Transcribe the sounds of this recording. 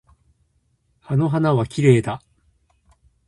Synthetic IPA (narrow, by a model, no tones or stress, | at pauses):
ano̞ɦanaβakʲiɾe̞ːd̪a